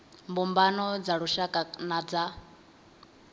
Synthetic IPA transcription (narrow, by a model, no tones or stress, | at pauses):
mbumbanɔd͡zaɺuʃakʼanad͡za